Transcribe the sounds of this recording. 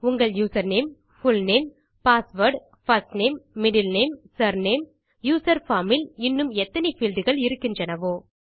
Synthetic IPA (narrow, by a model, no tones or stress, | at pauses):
ʊŋɡɐɭjuːsɐɾneːm | fʊlneːm | paːsʋɐɾɖ | fɐsʈneːmːɪɖɪlneːmsɐɾneːm | juːsɐɾfaːmɪlɪnːɯmɛt̪ːɐnɛfiːlɖɯɣɐɭɪɾɯkːɪndrɐnɐʋoː